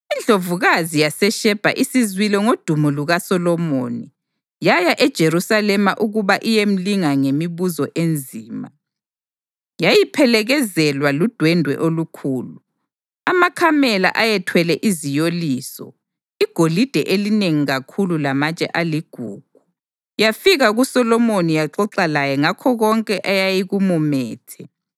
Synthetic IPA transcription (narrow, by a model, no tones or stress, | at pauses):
ind͡ɮʱovuɣazijasɛʃɛb̥ʱa̰ʔisizwilɛŋod̥ʱumɔluɣasɔlɔmoni | jajaʔɛd̥ʒ̥ʱeɾusalɛmaʔuɣuβaʔijem̩liŋaŋemiβuzɔʔend͡zʱiːma | jajipʰɛlɛɣɛzɛlwalud̥ʱwɛndʱwɛ̰ʔolukʰuːlu | amakʰamɛla̰ʔajɛtʰwɛlɛʔizijoliːsɔ̰ | iɡ̥ʱolid̥ʱɛʔelineŋiɣakʰululamat͡ʃʼɛ̰ʔaliɡ̥ʱuːɡ̥ʱu | jafiɣaɣusɔlɔmonijaǁɔǁalajɛŋakʰɔɣɔŋkʼɛʔajajiɣumumɛːtʰɛ